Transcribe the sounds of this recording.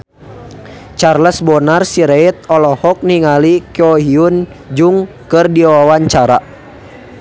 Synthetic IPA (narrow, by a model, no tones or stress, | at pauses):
t͡ʃarləsbɔnarsiɾɛit̪̚ɔlɔhɔk̚niŋalikɛɔɦiun | d͡ʒuŋ | kɨrdiwawaɲt͡ʃaɾa